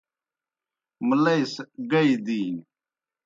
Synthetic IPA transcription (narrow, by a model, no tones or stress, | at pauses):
məlɐisɡɐid̪iː